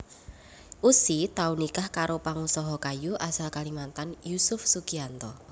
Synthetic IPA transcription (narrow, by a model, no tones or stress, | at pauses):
ʔusit̪aunikahkaɾopaŋusɔɦɔkajuʔasalkalimant̪anjusʊfsukiant̪ɔ